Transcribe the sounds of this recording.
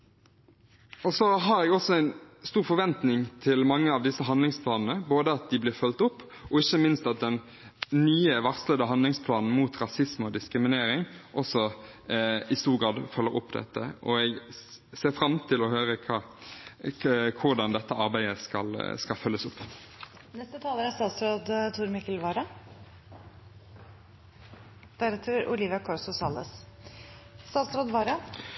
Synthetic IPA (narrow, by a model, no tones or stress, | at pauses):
ɔsɔɦɑɾɛɡɔsɔæɪnst̪uːʁfɔɾʋɛnt̪nɪŋt̪ʰɪlmɑŋːəɑʋd̪ɪsəɦɑnd̪lɪŋspʰlɑːnn̩əboːd̪əɑt̪̚d̪ɪblɪːɾfœlt̪ʊpː | ɔɪçːəmɪnst̪ɑt̪̚d̪ɛn | nyːəʋɑʁsləd̪əɦɑnd̪lɪŋspʰlɑːnn̩muːt̪ɾɑsɪsmɔd̪ɪskɾɪmɪneːɾɪŋʔɔsːɔ | ɪst̪uːɾɡɾɑːd̪fœlːəɾɔpːd̪ɛ̰t̪ːə̰ʔɔ̰ɛɡseːfɾɑmt̪ʰɪlɔhøːʁəkʰɑ | kʰʊʁd̪ɑnd̪ɛt̪ːəɑʁbæɪəskɑlskɑlfœlːəsʊpː | nɛst̪ət̪ʰɑːləɾæst̪ɑːt̪sɾoːd̪t̪ʰʊɾmɪkːəlʋɑːɾɑ | d̪̥æɾɛt̪ʰəɾʊ̰liːʋɪɑkʰɑɾsʊsɑlːə̰s | st̪ɑːt̪sɾoːd̪ʋɑːɾɑ